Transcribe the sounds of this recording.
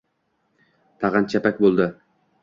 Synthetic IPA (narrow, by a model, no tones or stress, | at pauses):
t̪ʰɑʁɑnt͡ʃʰæpækʲbolˠd̪ɪ